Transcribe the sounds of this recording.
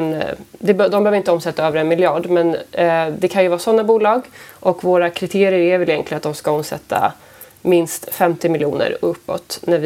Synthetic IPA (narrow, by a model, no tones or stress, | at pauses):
nd̪ɛbd̪ɔmbɛøːvɾɪnt̪əɔmsɛt̪ːaøːvəɾɛnmɪlɪɑːɖmɛnd̪ɛkʰanjɵvɑːsɔnːabuːlɑːɡʔɔkvoːɾakʰɾɪt̪ʰeːɾɪjəɾævɛljɛŋk̪ʰlɪənat̪d̪ɔmskaɔmsɛ̰t̪ʰːa̰ | mɪnst̪fɛmt̪ɪmɪljṵːnə̰ɾɵpːɔ̰t̪næɾv